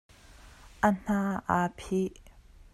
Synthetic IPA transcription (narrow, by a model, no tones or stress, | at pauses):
ʔən̥aːʔapʰiʔ